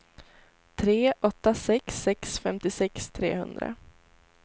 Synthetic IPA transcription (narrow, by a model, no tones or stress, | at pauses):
t̪ʰɾeːʔɔt̪ːasɛksɛksfɛmt̪ɪsɛkst̪ʰɾḛːhɵ̰nd̪ɾa̰